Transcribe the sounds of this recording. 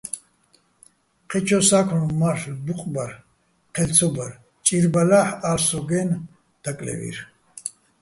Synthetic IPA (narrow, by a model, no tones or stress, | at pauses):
qʰɛt͡ʃʰɔsakʰnmaɾbuqʼbaɾ | qʰɛlt͡sʰɔbaɾ | t͡ʃʼiɾbalaħaɾsɔɡɛn | d̪̥akʼlɛ̰vḭɾ